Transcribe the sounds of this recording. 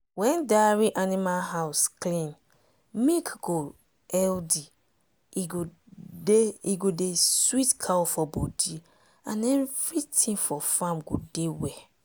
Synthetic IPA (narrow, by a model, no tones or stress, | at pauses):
wɛ̃ndaɹiʔanimalɦaʊsklĩn | mĩkɡ̥o | ɛldi | iɡo | deiɡodeswitkʰawofɔbodi | ã̰nɛnvɹitʰĩŋfɔfãmɡo̰dewɛ